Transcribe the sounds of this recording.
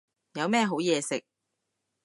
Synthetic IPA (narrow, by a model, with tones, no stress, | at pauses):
jɐ˨˧wmɛː˥˧ɦo˨˥wjɛː˨˧sɪ˨k̚